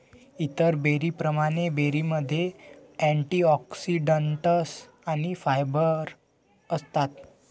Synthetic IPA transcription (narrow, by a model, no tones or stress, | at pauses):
it̪əɾbeɾipɾəmaɽ̃ebeɾiməd̪ʱːjeæ̃ɳʈiɔksiɖəɳʈəs | aɽ̃ifajbəɾ | əst̪at̪